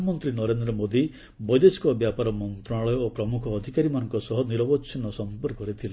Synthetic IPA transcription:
mɔnt̪ɾinɔɾend̪ɾɔmod̪i | bɔjd̪eskɔbjapaɾɔmɔnt̪ɾɔnaɭɔjɔopɾɔmukʰɔːd̪ʱikaɾimanɔŋkɔsɔɦɔniɾɔbɔtːʃʰinɔsɔmpɔɾkːɔɾit̪ʰil

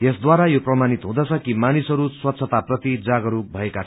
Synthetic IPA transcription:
jesd̪waɾajoprʌmanit̪ɦũd̪ʌt͡sʰʌkimanisʌɾuswʌt̪ːsʰʌt̪aprʌt̪id͡zaɡʌɾubʱʌekat͡sʰ

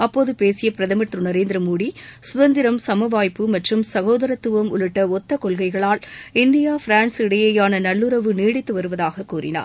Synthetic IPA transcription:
ɐpːoːðɯpeːsɪjɐpɪɾɐðɐmɐʈrɯnɐɾeːnd̪ɪɾɐmuːɽisʊðɐnd̪ɪɾɐmsɐmɐʋaːjpːɯmɐʈrɯmsɐɣoːðɐɾɐt̪ːɯʋɐmʊ̰ɭɯʈːɐɔt̪ːɐkɔɭɣɐɪɣɐɭaːlɪnd̪ɪjaːfɪɾaːnsɪɽɐjɐjaːnɐnɐɭːɯɾɐʋɯneːɽɪt̪ːɯʋɐɾɯʋɐðaːɣɐkːuːɾɪ̰na̰ːɾ

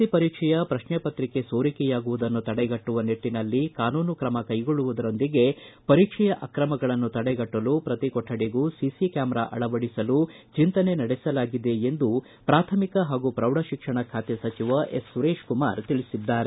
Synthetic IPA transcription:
ipɐɾiːkʂɛjɐpɾɐʃɳɛpɐt̪ɾikesoːɾikɛjaːɡuʋud̪ɐnːut̪ɐɽɛɡɐʈːuʋɐneʈːinɐlːikaːnuːnukɾɐmɐkɐjɡoɭuʋud̪ɐɾo̞nd̪iɡe̞pɐɾiːkʂɛjɐʔɐkɾɐmɐɡɐɭɐnːut̪ɐɽɛɡɐʈːɐlupɾɐt̪ikɔʈʰːɐɽeɡuːsisikaːmɾa̰ʔɐ̰ɭɐʋɐɽisɐlut͡ʃint̪ɐne̞nɐɽɛsɐlaːɡid̪e̞end̪u | pɾaːt̪ʰɐmikɐɦaːɡupɾɐwɽɐʃikʂɐɳɐkʰaːt̪esɐt͡ʃiʋɐʔesːuɾeːʂkuma̰ːɾt̪iɭisid̪ːaːɾe

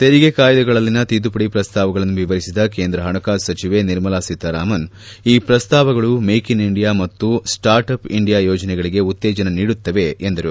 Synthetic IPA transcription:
t̪eɾiɡekaːjɐd̪ɐɡɐɭɐlːinːɐt̪id̪upɐɽipɾɐst̪aːʋɐɡɐɭɐnːuʋiʋɐɾisid̪ɐkeːnd̪ɾɐɦɐɳɐkaːsɐt͡ʃiʋeniɾmɐlaːsit̪ɐɾaːmɐn | iːpɾɐst̪aːʋɐɡɐɭumeːkiniɳɖijaːmɐt̪ːusʈaːɾʈɐpiɳɖijaːjɔːd͡ʒɐnɛɡɐɭiɡe̞ut̪ːɛːd͡ʒɐnɐniːɽut̪ːɐʋe̞end̪ɐɾu

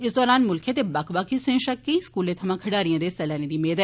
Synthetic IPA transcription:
ɪsd̪ɔːɾaːnmʊlkʰẽt̪ebakbakʰisẽːʃɐkːiĩskuːlẽːt̪ʰɐmãːkʰəɖaːɾijãːd̪eːsɛːlɛːnẽːd̪iːmeːd̪ɛ

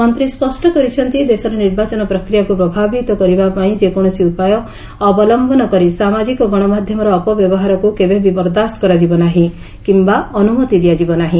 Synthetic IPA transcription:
mɔnt̪ɾispɔsʈɔkɔɾit͡ʃʰɔnt̪id̪esɔɾɔniɾbat͡ʃɔnɔpɾɔkɾijakupɾɔbʱabit̪ɔkɔɾibapaĩd͡ʒekɔɽ̃ɔsiupajɔː | bɔlɔmbʱɔnɔkɔɾisamad͡ʒikɔɡɔɽ̃ɔmad̪ʱjɔmɔɾɔːpɔbjɔbɔɦaɾɔkukebebibɔɾd̪ast̪kɔɾad͡ʒibɔnaɦĩ | kimbaɔnumɔt̪id̪ijad͡ʒibɔnaɦĩ

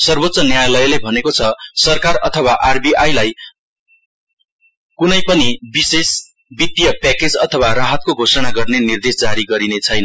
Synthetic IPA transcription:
sʌrbot̪ːsʌnjajalʌjlebʱʌnekot͡sʰʌsʌrkarʌt̪ʰʌwaʔarbiajlaj | kunʌjpʌnibises | bit̪ːijʌpaked͡zʌt̪ʰʌwaraɦʌt̪̚koɡʱosʌnaɡʌrnenird̪esd͡zaɾiɡʌɾinet͡sʰʌjnʌ

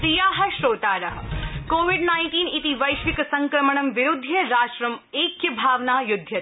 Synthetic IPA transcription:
ɾijaːɦɐʃɾoːt̪aːɾɐɦɐkoːʋiɖnaːɪɳʈiːnit̪iʋɐjʃʋikɐsɐ̃ŋkɾɐmɐɳɐmʋɪɾud̪ʱːjɐɾaːʃɾɐmeːkjɐbʱaːʋnaːjʊd̪ʱjɐt̪

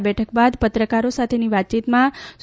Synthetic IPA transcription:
bɛʈʰək̚bad̪pət̪ɾəkaɾosat̪ʰeniʋat̪̚t͡ʃit̪mãs

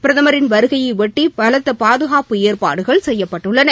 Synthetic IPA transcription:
pɪɾɐðɐmɐɾɪnʋɐɾɯɣɐjɐɪʋɛʈːibɐlɐt̪ːɐpaːðɯɣaːpɯeːrpa̰ːɽɯɣɐɭsɛjːɐpːɐʈːɯɭːɐnɐ

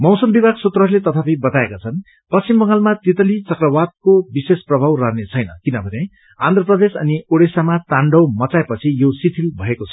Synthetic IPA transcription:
mʌwsʌmbibʱaɡsut̪rʌɦrlet̪ʌt̪ʰapʌĩbʌt̪aekat͡sʰʌn | pʌst͡simbʌŋɡalmat̪it̪ʌlit͡sʌkrʌwad̪̚kobisesprʌbʱawrʌɾnet͡sʰʌjnʌ̰kinʌbʱʌne | ãnd̪ʱʌprʌd̪esʌnioɽesamat̪aɳɖʌwmʌt͡saepʌt͡sʰijosit̪ʰilbʱʌekot͡sʰʌ

